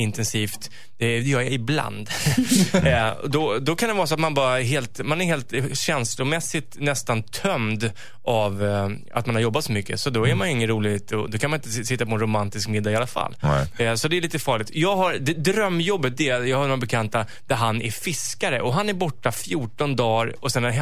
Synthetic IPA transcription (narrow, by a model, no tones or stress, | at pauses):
ɪnt̪ɛnsiːft̪ | d̪ɛjɑɪbla̰nd̪ | ɔ̰d̪ɔd̪ɔkʰand̪ɛvɑːɾsɔat̪manbɑːɾaɦeːlt̪manæɾɦeːlt̪ɕɛnslʊmɛsːɪt̪nɛst̪ant̪ʰœmd̪ | ʔav | a̰t̪̚manhaɾjɔbːat̪sɔmʏkːəsɔd̪ɔæɾmanjɵɪŋːənɾuːlɪt̪ɔ̰d̪ɔkʰanmanɪnt̪əsɪt̪ːapɔɛnɾʊmant̪ɪskmɪd̪ːaɪalːafa̰lːsɔd̪ɛːɭiːt̪əfɑːɭɪɡt̪jɑːɡɦaɾd̪ɛd̪ɾœmːjɔbːət̪̚d̪ɛjɑːhanoːabɛkʰant̪a | d̪̥æɾɦanæɾfɪskaɾəʔɔɦanæɾbɔʈːafjuːʈɔnd̪ɑːɾɔsɛn